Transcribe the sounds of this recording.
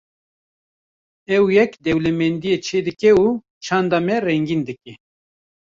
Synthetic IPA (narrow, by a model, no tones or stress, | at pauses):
ɛwjɛkd̪ɛwlɛmɛnd̪ijet͡ʃʰeːd̪ɨkɛuː | t͡ʃʰɑːnd̪ɑːmɛrɛŋɡiːnd̪ɨkɛ